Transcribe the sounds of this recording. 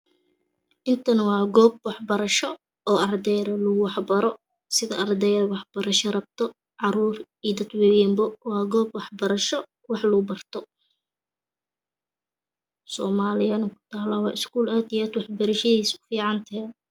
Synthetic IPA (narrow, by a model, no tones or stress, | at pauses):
ʔɪnt̪ʰɐnɐwɑːɡɔːb̚wɑħbɐɾɐʃɔ | ɔːɐrd̪ɛjɾɐlʊɡʊwɑħbɐɾɔ | sɪðɐʔɐrd̪ɛjɾwɑħb̥ɐɾɐʃɐrɐb̚t̪ʰɔ | ʕɑɾuːr | iːd̪ɐd̪wɛwɛmbɔwɑːɡɔːbwɑħbɐɾɐʃɔ | wɑħlʊɡbɐrt̪ʰɔ | sɔːmaːlɪjɐnɐkʰʊ̥t̪ʰaːlɐwɑːɪskuːlaːd̪iaːd̪wɑħbɐɾɐʃɐðiːsʊ̥fiːʕɑnt̪ʰɛː